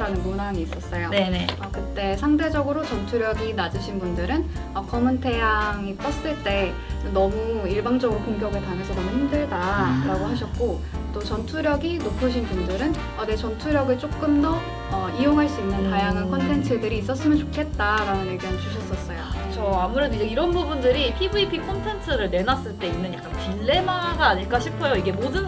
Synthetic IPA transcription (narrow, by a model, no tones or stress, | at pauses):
ɾanɯnmonaŋiːs͈ʌs͈ʌjonneʌkɯt͈e̞sʰaŋde̞d͡ʑʌɡɯɾot͡ɕʌntʰuɾjʌɡinad͡ʑɯɕʰinbundɯɾɯnʌkʌmɯntʰe̞jaŋit͈ʌs͈ɯɭt͈e̞ | ɯnːʌmuiɭbaŋd͡ʑʌɡɯɾokoŋɡjʌɡɯɭpaŋesʰʌnʌmuhimdɯɭdaɾaɡoɦaɕʰʌt̚k͈o | t͈ot͡ɕʌntʰuɾjʌɡinopʰɯɕʰinbundɯɾɯn | ʌne̞t͡ɕʌntʰuɾjʌɡɯɭt͡ɕ͈ok͈̚ɯmdʌ | ʌijoŋɦaɭs͈uinːɯnpajaŋɦankʰʌntʰe̞ntʰɯdɯɾiːs̬͈ʌs͈ɯmjʌnt͡ɕokʰe̞t̚t͈aɾanɯnje̞ɡiɦanit͡ɕuɕʰʌs͈ʌs͈ʌjokt͡ɕʰʌamuɾodid͡ʑe̞iɾʌnbubundɯɾipʰibuipʰikʰʌntʰe̞ntʰɯɾɯɭne̞nas͈ɯɭt͈e̞inːɯnjak͈anpiɭːe̞maɡaːɲiɭk͈aɕʰipʰʌjoiɡemodɯn